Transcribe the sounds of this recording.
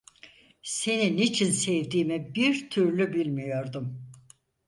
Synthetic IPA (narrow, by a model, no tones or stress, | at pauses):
se̞ninit͡ʃʰinsɛvd̪iːmibiɾt̪ʰyɾlʲybilʲmijo̞ɾd̪um